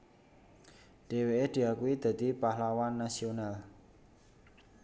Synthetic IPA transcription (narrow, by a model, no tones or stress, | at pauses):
ɖ̥e̤weʔed̪̥iakuwid̪̥ä̤d̪ipahlawanːasional